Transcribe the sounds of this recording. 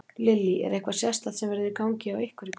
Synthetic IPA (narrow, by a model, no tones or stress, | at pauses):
lɪlːiʔɛ̰ɾɛhkvḁsjḁst̪aðsɛmvɛɾðɪɾkaːwɲcɪawehkvʏɾɪk